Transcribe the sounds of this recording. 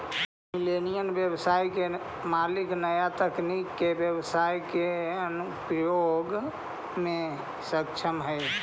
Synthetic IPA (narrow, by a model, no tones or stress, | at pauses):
milenijənbjəbsajke | maliknəjat̪əknikːebjəbsajkeənupɾəjoɡ | mẽ | sək̚t͡ʃʰəmɦəj